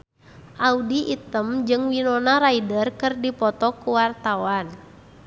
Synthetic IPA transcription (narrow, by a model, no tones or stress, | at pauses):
ʔaudiʔit̪əmd͡ʒɨŋwinɔnaɾaidərkɨrdipɔt̪ɔkuwart̪awan